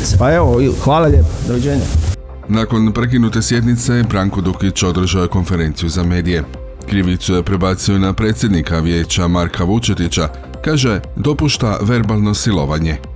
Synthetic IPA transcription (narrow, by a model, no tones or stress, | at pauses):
paeʋoxʋaːlaʎepad̪oʋed͡ʑeːɲa | nako̞npɾe̞k̬inut̪e̞sje̞d̪nit̪se̞bɾaŋko̞d̪ukit͡ɕo̞d̪r̩ʒaoeko̞nfe̞ɾe̞ːnt̪sijuzame̞ːd̪ije̞ | kɾiʋit̪suje̞pɾe̞baːt̪sio̞napɾe̞ːt̪sjed̪nikaʋje̞ːt͡ɕamaɾkʰaʋut͡ʃet̪it͡ɕa | kaːʒe̞d̪o̞puʃt̪aʋe̞ɾbalˠno̞silo̞ʋaɲe̞